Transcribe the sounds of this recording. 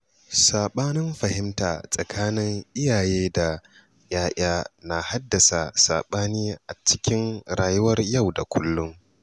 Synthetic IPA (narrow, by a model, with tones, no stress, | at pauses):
saː˨ɓaː˦nɪ˦mɸɐ˨hɪ˦mtaː˨sʼɐ˨kʰaː˦nɪ˦ŋʔɪ˦jaː˨jeː˦da˨ | jaː˦ʔaː˦na˨ha˦dːɐ˨sa˨sa̰ː˨ɓaː˦niː˦ʔa˨t͡ʃɪ˦kʲɪ˦ŋɽaː˨jʊ˦wɐ˦rja˦˨wda˨kʷʰʊ˦lːʊ˦ŋ